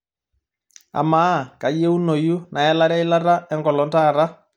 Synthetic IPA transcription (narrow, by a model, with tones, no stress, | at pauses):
a̰˨ma˨˦˨ka˨je˦u˦no˨ju˦na˨ɛ˦la˦ɾa˦i˦la˦ɾa˦ɛ˦ŋɡɔ˨lɔ˨˦nta˦˨ɾa˦